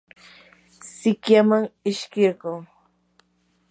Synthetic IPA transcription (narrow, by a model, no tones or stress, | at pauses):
sɪkjamaŋɪʃkɪɾɢoː